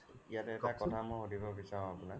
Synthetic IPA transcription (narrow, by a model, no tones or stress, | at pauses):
ijatɛtakɔtʰamɔjxodibɔbisaɹɔ̃apʊnak